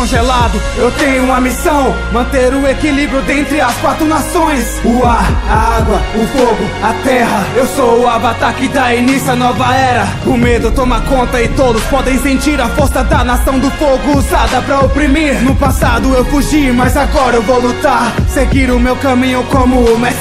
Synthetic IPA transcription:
kõʒelad̪ʊ | ewt̪ẽɲʊũmɐmisɐ̃w̃ | mɐ̃nt̪eɾũekilibɾjʊd̪ẽnt̪ɾɪɐskwat̪ɾʊnasõj̃sʊaɾaaɡwɐʊfoɡʊɐt̪ɛhɐewsoʊavat̪akɪd̪ɐinisɐnɔvɐɛɾɐkʊ̃med̪ʊt̪omakõnt̪ɐɪt̪od̪ʊspɔd̪ẽj̃sẽnt͡ʃiɾɐfoɾsɐd̪ɐnasɐ̃w̃d̪ʊfoɡʊːzad̪ɐpɾɐopɾimiɾnʊpasad̪ʊewfuʒiɾmɐzaɡɔɾɐewvowlut̪aɾseɡiɾʊmewkɐmĩɲʊkõmʊmas

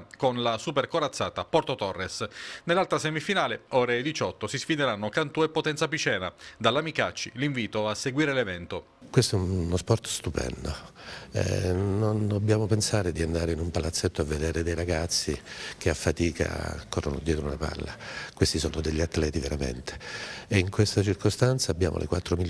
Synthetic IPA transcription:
konlasuperkoɾat̪sːaːt̪apɔrt̪ot̪ɔrːesnelːalt̪ɾasɛmifinaːleɔːɾed̪it͡ʃɔt̪ːosisfid̪eɾanːokant̪uɛpːot̪ɛnt̪sapit͡ʃɛːna̰d̪alːamikat͡ʃːḭliɱviːt̪oasːeɡwiːɾelevɛnt̪o | kwest̪oɛunnospɔrt̪st̪upɛ̰nd̪oɛ̰nond̪obːjaːmopensaːɾed̪iand̪aːɾeinumpalat̪sːet̪ːoavːed̪eːɾed̪ejɾaɡat̪sːikeafːat̪iːkʰa̰kɔrːono̰d̪jɛːt̪ɾouna̰pa̰lːa̰kwest̪isɔːnod̪eʎːiat̪ːlɛːt̪iveɾamḛnt̪e̥eiŋkwest̪at͡ʃirkost̪ant̪saːbja̰ːmʔo̰lʔḛkwa̰t̪ːɾomiʎ

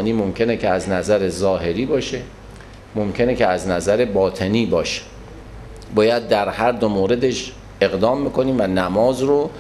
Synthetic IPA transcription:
niːmomcʰe̞necʰeæznæzæɾezɒːɦe̞ɾiːbɒːʃe | momcʲʰe̞necʰeæznæzæɾebɒːt̪ʰe̞niːbɒːʃe̥ | bɒːjæd̪̚ːæɾhæɾd̪omoːɾe̞d̪e̞ʃ | e̞ɣd̪ɒːmbekoniːmvænæmɒːzɾo

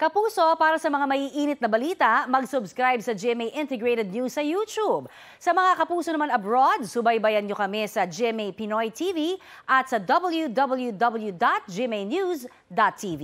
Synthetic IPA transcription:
kɐpuːso̞paːɾɐsɐmɐŋamɐʔiːʔiːnɪt̪nɐbɐliːt̪ɐmɐɡsʊbskɾajbsɐd͡ʒɛmejʔɪnt̪ɛɡɹejt̪ɛd̪̚nusːɐjut͡ʃub̚ | sɐmɐŋakɐpuːsonɐmanɐbɹod̪̚sʊbɐjbɐjɐnɲokɐmɛsɐd͡ʒɛmejpɪnojt̪ʰiːviʔɐt̪̚sɐd̪ɐbɐlˠjud̪ɐbɐljud̪ɐbɐljud̪at̪̚d͡ʒimejnjus | d̪at̪ʰːivi

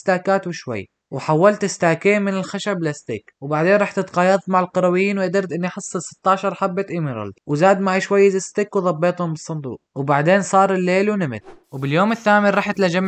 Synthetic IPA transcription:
st̪aːkaːt̪wɪʃwa̰jː | wɪħawːalt̪ɪst̪aːkeːmɪnɪlxaʃablast̪iːkwɪbaʕd̪eːnɾˤɑːħt̪ɪt̪qɑːjɑðˤmaʕɪlqɑɾˤɑwɪjːiːnwɪʔad̪ɪɾd̪ʔɪnːiʔɑħɨsˤːɨsɪ̥t̪ːɑːʃɑɾˤħabːat̪ʔɪmɪɾˤɑ̰ld̪wɪzaːd̪maʕaʃwajːɪzast̪ikwɪðˤɑbːeːt̪ˤhʊmbɨsˤːɑnd̪ṵːq̚wɪbaʕd̪eːnsˤɑːɾˤɪlːeːlwnɪmɪ̰t̪wɪbɪljoːmɪθːaːmɪnɾˤɑːħt̪lad͡ʒamː

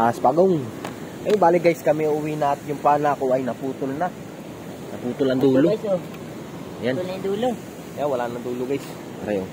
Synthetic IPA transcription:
ʔaspaɡoŋ | kɐjoŋbaːlɪɡajskɐmɛʊwinaɐt̪jʊŋpaːnakoɐjnɐpuːt̪ʊlnɐ | nɐpuːt̪ʊlɐŋd̪uːloajso | janld̪uːlo | ɐjawɐlaːnɐŋd̪uːloɡajs | pɐɾɐjo

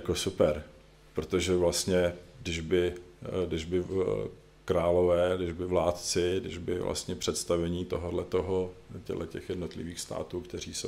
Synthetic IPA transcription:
jakosupɛɾ | pɾot̪oʒɛvlast̪ɲɛdɪʒbɪdɪʒbɪ | kɾaːlo̞vɛːdɪʒbɪvlaːt̪t͡sɪdɪ̰ʒbɪ̰vlʔa̰st̪ɲɛpr̥ɛt̪st̪avɛɲiːt̪o̞ɦodlɛt̪oɦocɛ̰ɦlʔɛcɛxjɛdno̞t̪lɪviːxst̪a̰ːt̪uːkt̪ɛr̝iːso

